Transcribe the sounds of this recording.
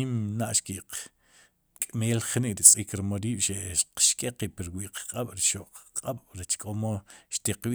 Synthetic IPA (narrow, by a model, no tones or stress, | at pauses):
imnaʔʃkiʔq | kʼmeːlχniʔɾit͡sʼiːkɾmoɾiːɓ̥ʃeʔʃqʃkʼeqipiɾwiʔqqʼaɓ̥ɾiʃoʔqqʼaɓ̥ɾet͡ʃkʼomoʃt̪iqwi